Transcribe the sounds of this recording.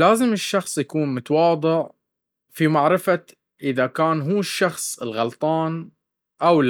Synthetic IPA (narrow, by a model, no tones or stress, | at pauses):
laːzɪmɪʃːɑxsˤjakuːnmʊt̪awɑːd̪ˤɨʕ | fimaʕɾɪfa | ʔɪðakaːnɦuːʃːɑxsˤɪlɣɑlt̪ˤɑːn | ʔawl